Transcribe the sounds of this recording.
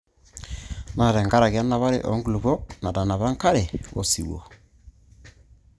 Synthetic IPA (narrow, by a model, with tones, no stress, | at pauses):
na˨ɾɛ˨ŋɡa˦ɾa˨ɣja˦na˨βa˦ɾḛ˦˨ʔɔ̰˨ŋɡu˨lu˨βɔ˦na˨da˨na˨βa˦ŋka˦ɾe˨βo̰˨si˨wo̰˨